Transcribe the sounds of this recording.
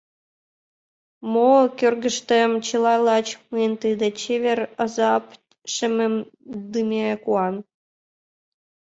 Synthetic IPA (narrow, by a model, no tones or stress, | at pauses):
mokʲørɡə̆ʃt̪ĕmt͡ɕəlˠɑjlˠɑt͡ɕmɯent̪ɨd̪et͡ɕevʲerɤ̆zɑp | ʃɘ̆mɘ̆md̪ɯmʲekuɑn